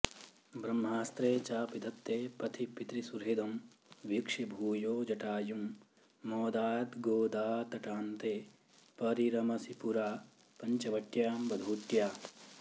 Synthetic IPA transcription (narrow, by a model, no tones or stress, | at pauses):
bɾɐmːɦaːst̪ɾeːt͡ʃaːpid̪ʰʱɐt̪ːeːpɾɐt̪ʰipit̪ɾisuɾɦed̪ɐm | ʋikʂibʱuːjoːd͡ʒɐʈaːjumː | ɔːd̪aːt̪ɡoːd̪aːt̪ɐʈaːnt̪eː | pɐɾiɾɐmɐsipuɾaː | pɐɲt͡ʃɐʋɐʈjaːmbɐd̪ʱuːʈjaː